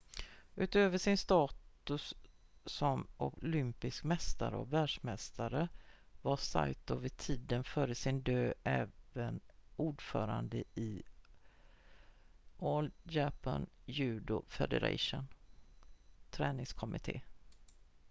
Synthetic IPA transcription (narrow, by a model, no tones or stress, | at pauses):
ʉ̟ːt̪øːvəʂɪnst̪ɑːt̪ɵsː | ɔmʔʊlʏmpɪskmɛst̪a̰ɾəɔ̰kvæːɖʂmɛst̪ʰaɾəvasa̰jt̪ʊvɪt̪ʰiːd̪ənfœːɾəsɪnd̪øːʔɛːvənuːɖfœːɾa̰nd̪əɪ | ʔoːljapʰa̰njʉ̟ːd̪ʊfɛ̰d̪ə̰ɾa̰ʂʊn | t̪ʰɾɛːnɪŋskʰɔmɪt̪ʰḛː